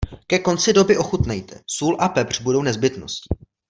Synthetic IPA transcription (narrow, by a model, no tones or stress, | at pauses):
kɛko̞nt͡sɪdo̞bɪʔo̞xut̪nɛjt̪ɛ̰suːlʔapɛpr̝̥budo̞wnɛzbɪt̪no̞̰scɪ̥